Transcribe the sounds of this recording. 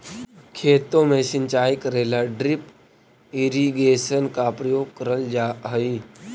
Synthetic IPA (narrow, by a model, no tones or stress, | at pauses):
kʰeːt̪omesint͡ɕaikəɾelaɖɾip | iɾiɡesənkapɾəjoɡ̚kəɾəld͡ʑaɦəi